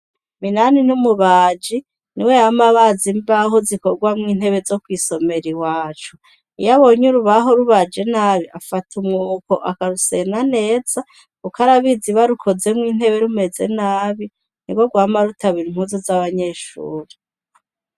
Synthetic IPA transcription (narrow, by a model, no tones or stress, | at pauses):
minaninumuβaːd͡ʒi | niwejamaβazimbaɦozikoɡwamŋiːn̥he̞βe̞zo̞kwiːso̞me̞ɾiwaːt͡ʃu | ijaβo̞ɲuɾuβaɦoɾuβad͡ʒe̞naːβiʔafatʰumŋuːko̞ʔakaɾuse̞nane̞ːz̥a | ukaɾaβiziβaɾukʰo̞ze̞mŋiːn̥he̞βe̞ɾume̞ze̞̰naːβi | n̥iɡwo̞ɡwaːmaɾutaβiɾim̥huzozaβaɲe̞ʃṵːɾi